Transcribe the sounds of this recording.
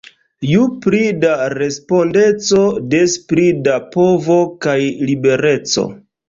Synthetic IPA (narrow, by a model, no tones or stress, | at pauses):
jupɾidaɾe̞spo̞nde̞t͡so̞despɾidapo̞vo̞kajlibe̞ɾe̞t͡so̞̰